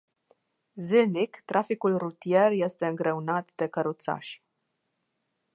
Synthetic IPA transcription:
zilnikt̪ɾʔafikulrut̪ije̞rje̞st̪e̞ɨŋɡɾe̞unat̪d̪e̞kəɾut̪sa̰ʃʲ

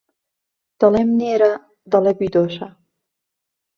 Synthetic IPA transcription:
d̪̥ɐlemneːɾa | d̪ɐlebid̪oːʃɐ

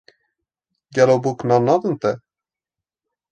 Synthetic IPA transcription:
ɡɛlobuknɑnɑd̪ənt̪ɛ

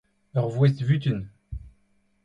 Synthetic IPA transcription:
œʁvwɛsvyt̪yn

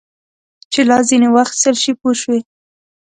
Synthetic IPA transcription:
t͡ʃelɑzinewaxt̪səlʃipoʃwe

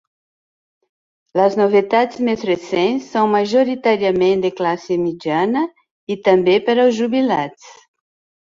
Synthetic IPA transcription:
lɐznovet̪ad̪smezresẽnsːõw̃maʒoɾit̪aɾjamẽnd̪eklasemidjanɐ | it̪ɐ̃mbepaɾɐwzʒubilat̪s

